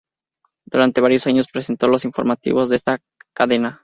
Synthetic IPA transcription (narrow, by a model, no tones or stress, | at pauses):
d̪uɾant̪e̞βaɾjo̞saɲo̞spɾese̞nt̪o̞lo̞siɱfo̞ɾmat̪ḭβo̞zðe̞st̪a | kaðe̞na